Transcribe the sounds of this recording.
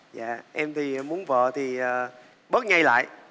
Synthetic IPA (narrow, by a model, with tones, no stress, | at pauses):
za̰ː˧˨ʔɛ˧mt̪ʰi˨˩mu˨˦ənvə̰ː˧˨t̪ʰi˨˩əː˨˩ | ɓə˦˥t̚ŋa˧jla̰ː˧˨j